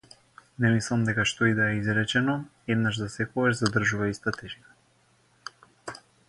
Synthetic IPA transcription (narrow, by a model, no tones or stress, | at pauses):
nɛmislˠamd̪ɛkaʃt̪ɔid̪aɛizɾɛt͡ʃɛnɔ | ɛd̪naʒzasɛkoɡaʒzad̪r̩ʒuvaist̪at̪ʰɛʒia